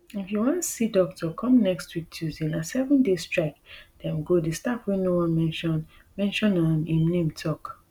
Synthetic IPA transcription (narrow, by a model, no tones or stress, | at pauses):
ifjuwɔ̃ntsidɔk̚tʰɔkʰɔ̃mnɛkstwitʰuzĩnãnsɛvɔ̃ndestɹaɪk̚d̥ɛ̃mɡodestapwĩnowɔ̃nmɛ̃nʃɔ̃n | mɛ̃nʃɔ̃nɔ̃nĩmnẽmtʰɔk